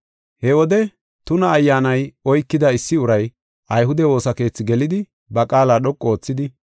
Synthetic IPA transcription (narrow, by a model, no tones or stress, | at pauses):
hɛwɔd̪ɛ | t̪ʊnɐːjːaːnɐjɔjkːɪd̪ɐɪsːɪʊɾɐj | ʔɐjɦʊd̪ɛwo̞ːsɐke̞ːt͡sːɪɡɛlɪd̪ɪ | bɐkʼaːlaːɗɔkʼːoːt͡sːɪd̪ɪ